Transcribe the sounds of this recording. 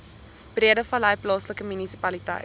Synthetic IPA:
b̥riədəfɐlɐjplɑːsləkəmynisipɐlitɐ̰jt

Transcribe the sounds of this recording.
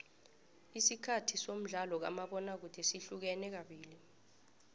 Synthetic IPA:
isikʰatʰisom̩ɮalɔk̬a̰maɓɔnak̬udʰʱɛsiɬuk̬ɛnɛk̬aɓiːli

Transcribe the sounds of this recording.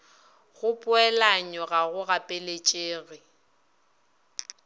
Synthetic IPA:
ɣʊpʼʊɛlaɲɔɣaɣʊɣapʼelet͡ʃʼeːɣɪ

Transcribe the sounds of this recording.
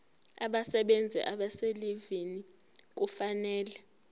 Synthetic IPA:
aɓasɛɓend͡zʱɛ̰ʔaɓaselivini | k̬ufanɛːlɛ

